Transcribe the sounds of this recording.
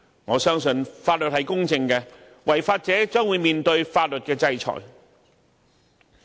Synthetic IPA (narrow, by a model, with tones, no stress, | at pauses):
ŋɔː˨˧sœː˥ŋsɵ˧nfaː˧t̚lɵ˨t̚hɐ˨jkʊ˥ŋt͡sɪ˧ŋkɛ˧ | wɐ˨˩jfaː˧t̚t͡sɛː˨˥t͡sœː˥ŋwuː˨˧jmiː˨nt̪ɵ˧ɥfaː˧t̚lɵ˨t̚kɛː˧t͡sɐ˧jt͡ʃʰɔ̰ː˨˩j